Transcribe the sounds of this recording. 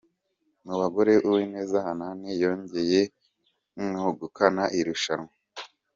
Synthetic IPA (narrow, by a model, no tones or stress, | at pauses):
muβaɡo̞ɾe̞ʔuwine̞ːzahananejoːɲɟe̞je̞ | ŋuɡukanaʔiɾuʃanŋa